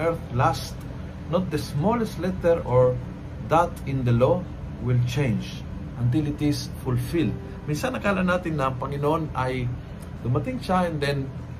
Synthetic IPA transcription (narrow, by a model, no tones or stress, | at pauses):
ɛɹθlast̪ | not̪̚d̪ɛsmolɛst̪lɛt̪ɛɹoɹ | d̪at̪ɪ̃nd̪ɐlo | wɪlt͡ʃẽjnd͡ʒ | ʔɐnt̪̬ilɪt̪ɪs | fʊlfild̪̚ | minsanːɐkaalanːat̪ɪnːɐpɐŋɪnʔo̞naj | d̪ʊmat̪iŋʃaɛ̃nd̪ɛ̃n